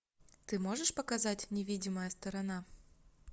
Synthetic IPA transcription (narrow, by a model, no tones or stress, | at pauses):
t̪ɨmo̞ʐɨʂpəkɐzatʲnʲɪvʲidʲɪməjəst̪əɾɐna